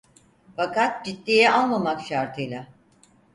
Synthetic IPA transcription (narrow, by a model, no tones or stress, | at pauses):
fakat̪̚d͡ʒit̪ːiːjɛanˠmamakʃaɾt̪ʰɯjlʲˠa